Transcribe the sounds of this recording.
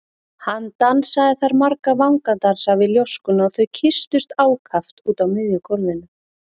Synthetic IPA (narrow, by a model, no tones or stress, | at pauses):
hant̪ansaðɪθaɾmaɾkavawŋkant̪aɾ̥savɪljowskʏnɔθœɥcʰɪst̪ʏst̪aːwkʰaft̪uːt̪awmɪðjʏkʰɔɾvɪnʏ